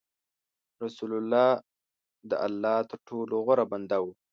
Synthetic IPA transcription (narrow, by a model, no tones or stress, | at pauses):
ɾasulalːɑː | d̪ə̰ʔa̰lːɑːt̪əɾʈʰoloɣəɾaband̪awu